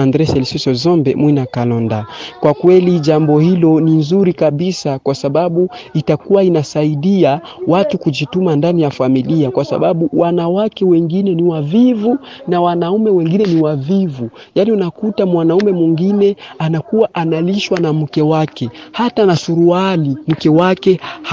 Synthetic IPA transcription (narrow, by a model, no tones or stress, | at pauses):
andɾɛsɛlisisɔzɔmbɛmwinakalɔndakwakwɛliʄambɔhilɔninzuɾikaɓisakwasaɓaɓuitakuwainasaiɗia | watukuʄitumandanijafamiliakwasa̰ɓaɓuwʔanawakɛwɛŋɡinɛniwavivunawanaumɛwɛŋɡinɛniwavivujaniunakutamwanaumɛmwiŋɡinɛanakuwaʔanaliʃwanam̩kɛwakɛhatanasuɾualim̩kɛwakɛ